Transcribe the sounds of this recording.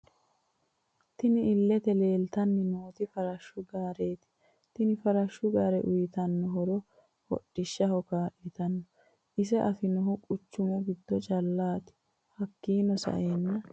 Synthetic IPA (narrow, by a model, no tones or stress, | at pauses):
t̪ɪnɪɪlːɛt̪ɛle̞ːlt̪ɐnːɪnoːt̪ɪfɐɾɐʃːʊɡaːɾeːt̪ɪ̥ | t̪ɪnɪfɐɾɐʃːʊɡaːɾɛ̰ʔʊjɪt̪ɐnːɔɦɔɾɔ | hɔ̰ɗːɪʃːɐhɔkaːʔɪt̪ɐnːɔ | ʔɪs̬ɛʔɐfɪnɔɦʊkʼʊt͡ʃːʊmɔɡɪd̪ːɔt͡ʃʼɐlːaːt̪ɪ̥ | hɐkːiːnɔsɐ̰ʔeːnːɐ